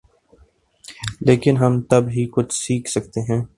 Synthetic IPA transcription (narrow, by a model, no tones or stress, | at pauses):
leːkɪnɦɐmt̪ɐbɦikʊt͡ʃʰsiːkʰsɐkt̪eɦɛ̃ː